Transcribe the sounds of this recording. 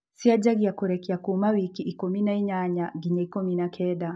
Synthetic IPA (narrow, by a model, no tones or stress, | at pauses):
siad͡ʒaɡijakuɾɛkiakumawikiʔːkɔminaiɲaɲaɡiɲaikɔminakʰɛɗa